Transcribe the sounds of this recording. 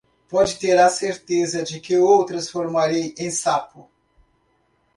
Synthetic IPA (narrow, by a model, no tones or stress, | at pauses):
pɔd͡ʒɪt̪eɾɐseɾt̪ezɐd͡ʒɪkɪowt̪ɾɐsfoɾmaɾejẽj̃sapʊ